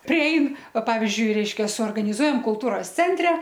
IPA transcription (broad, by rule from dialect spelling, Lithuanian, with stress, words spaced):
pʲrʲɪˈɛɪn ˈʋɐ ˈpɑːʋʲɪzʲd͡ʒʲʊɪ ˈrʲɛɪʃʲkʲɛ suɔrɡɐnʲɪˈzuɔjɛm kʊlˠˈtuːroːs ˈt͡sʲɛnʲtʲrʲɛ